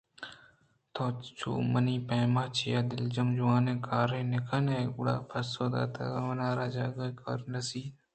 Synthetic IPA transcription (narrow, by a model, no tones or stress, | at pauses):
t̪ʰoːt͡ʃṵːmɐniːpeːmaːt͡ʃijaːd̪ɪld͡ʒɐmd͡ʒʊwaːnẽkaːɾenekʰɐneɡʊɽa̰ːpʰɐsoːd̪a̰ːt̪ʰɐ̰ɡaʋɐnaːɾaːd͡ʒaːɡɐkɐɾnɐsiː